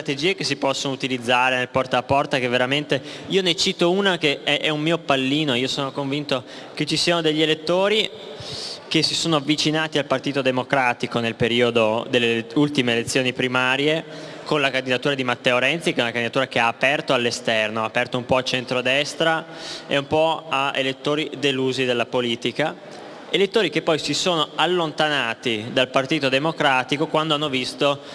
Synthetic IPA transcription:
st̪ɾat̪ed͡ʒiːekesːipɔsːonout̪ilid̪zːaːɾenelpɔrt̪aapːɔrt̪akevːeɾament̪eiːonet͡ʃiːt̪ounakeɛʔɛumːiːopalːiːnoiːosoːnokoɱvint̪o | ket͡ʃːisiːanod̪eʎːelet̪ːoːɾi | kesːisoːnoavːit͡ʃinaːt̪ialpart̪iːt̪od̪emokɾaːt̪ikonelpeɾiːod̪od̪elːeult̪imeːlet̪sːjoːnipɾimaːɾjekonlakand̪id̪at̪uːɾad̪imat̪ːɛoɾɛnt̪sikɛunakand̪id̪at̪uːɾakeaːpɛrt̪oalːest̪ɛrnoaːpɛrt̪oumpɔat͡ʃent̪ɾod̪ɛst̪ɾa | ḛumpɔaḛlet̪ːoːɾid̪eluːzid̪elːapoliːt̪ika | elet̪ːoːɾikepːɔjsisoːnoalːont̪anaːt̪id̪alpart̪iːt̪od̪emokɾaːt̪ikokwand̪oanːovist̪o

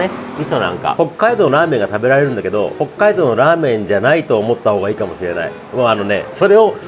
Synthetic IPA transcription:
eitonã̰ŋka̰ho̞kːaid̪o̞noɾaːmẽ̞ŋɡat̪abe̞ɾaɾe̞ɾɯ̟̃nd̪ake̞d̪o̞̰ho̞kːaid̪o̞noɾaːmẽ̞ɲ̟d͡ʑanait̪o̞ːmo̞t̪ːaɦhoːɡaiːkamo̞ɕiɾe̞na̰ḭ | moano̞ne̞̰so̞ɾe̞o̞

